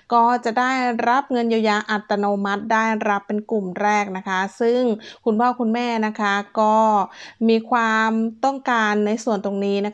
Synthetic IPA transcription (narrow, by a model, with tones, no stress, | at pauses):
kɔː˥˩t͡ɕa˨˩ʔdaː˥˩jɾa˦˥p̚ŋɤ˧njaː˧wjaː˧ʔa˨˩t̪ːa˧noː˧ma˦˥t̪̚daː˥˩jɾa˦˥pːe˧nklu˨˩mɾɛː˥˩k̚na˦˥kʰa˦˥sɯ˥˩ŋkʰu˧npʰɔː˥˩kʰu˧nmɛː˥˩na˦˥kʰa˦˥kɔː˥˩miː˧kʰwaː˧mt̪ɔ˥˩ŋkaː˧nːa˧jsu˨˩ənt̪o˧ŋniː˦˥na˦˥